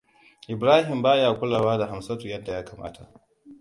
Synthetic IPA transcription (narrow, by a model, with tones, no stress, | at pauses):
ʔɪ˨bɾaː˦hɪ˨mbaː˦jaː˨kʷʊ˦laː˨waː˦da˨ɦa˨msɐ˦tu˨jɐ˦dda˨jaː˦kaː˨ma̰ː˦tʰa˨ʔ